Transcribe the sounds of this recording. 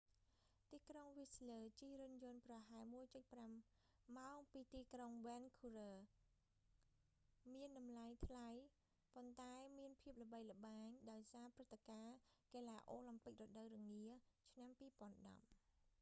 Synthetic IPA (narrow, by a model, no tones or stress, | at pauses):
t̪iːkroŋʋisləːt͡ɕirɨnjʊ̆ənprɑɦaɛlmuəjt͡ɕəc̚pramː | aɔŋpiːt̪iːkroŋʋɛnkʰurəː | miənɗɑmlajt̪ʰlaj | pont̪aɛmiənpʰiəp̚lə̆ɓəjlə̆ɓaːɲɗaɔjsaːprɨt̪ʰːekaːkeːlaːʔoːlampɨk̚rɔɗəwrɨəŋniət͡ɕʰnampiːpŏənɗɑ̰p̚